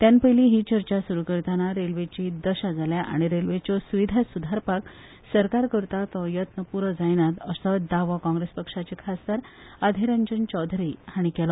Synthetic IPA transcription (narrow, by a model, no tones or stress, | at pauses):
t̪jãnpəjliɦiːt͡ɕəɾt͡ɕasuɾukəɾt̪anaɾelʋet͡ɕid̪əɕad͡zʱaljaʔa̰ɽ̃iɾelʋet͡ɕɔsuʋid̪ʱasud̪ʱaɾpak | səɾkaɾkəɾt̪at̪ɔjət̪nəpuɾəd͡zajnat̪əsɔd̪aʋakɔ̃ŋɡɾespəkʂat͡ɕekʰast̪aɾ | ad̪ʱeɾənd͡ʑənt͡ɕɔd̪ʱɾihaɽ̃ikɛlɔ